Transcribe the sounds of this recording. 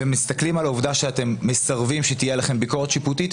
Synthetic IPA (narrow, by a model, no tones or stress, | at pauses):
emist̪ɐklimalovd̪aʃeat̪e̞mːisaʁvimʃet̪ije̞laχe̞mbiko̞ʁet̪ʃiput̪it̪